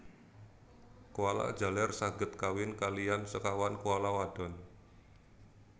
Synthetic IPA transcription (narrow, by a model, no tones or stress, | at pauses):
kuwala̰̥d͡ʒa̤lɛrsaɡət̪̚kawɪnkalijansəkawankuwalawad̥ɔ̤n